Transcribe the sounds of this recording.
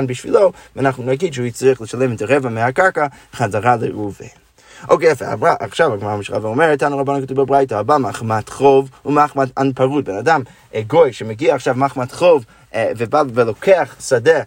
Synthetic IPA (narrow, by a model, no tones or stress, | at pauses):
nbiʃvilovɛanaχnunaɡidʃəuit͡sʁiəχləʃalɛmɛtaʁɛvamehakaɹka | χazaʁaleuve | ʔo̰keɛfɛa̰aʔa̰χʃavaɡmaʁamiʃla̰vaɔmɛʁɛtːanuʁabonankat̪uvbabʁajtaabamaχmatχovumaχmatanpaʁut̚bɛnadam | ɡojʃɛmeɡiaːχʃavmaχmatχov | vebavelˠokʰeaχsade